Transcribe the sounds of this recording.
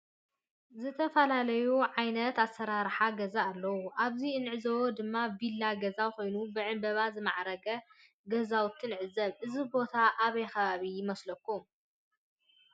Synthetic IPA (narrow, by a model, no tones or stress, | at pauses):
zɨt̪ʰɐfɐlalɐjuʕajnɐt̪asːɐɾaɾħaɡɐzaːlːɐwuʔaβziɨnʕɨzɐwod̪ɨmːavilːaɡɐzawko̞jnubɨʕɨmbɐβazɨmaʕɾɐɡɐ | ɡɐzawt̪ʰːɨnʕɨzːɐβʔɨzibo̞t̪ʰaʔaβɐjkɐβaβijɪmɐslɐkʰːum